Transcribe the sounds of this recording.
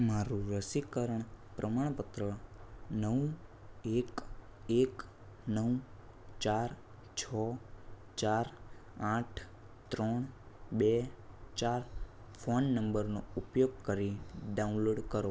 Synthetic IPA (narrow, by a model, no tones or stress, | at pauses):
maɾuɾəsikəɾəɳpɾʔəmaɽ̃pət̪ɾənəw | ekek | nəw | t͡ʃaɾ | t͡ʃʰɔ | t͡ʃaɾãʈʰ | t̪ɾɔɳ̃ | bet͡ʃaɾ | fʰonːəmbəɾnoupjoɡ̚kəɾiɖaũnloɖkəɾo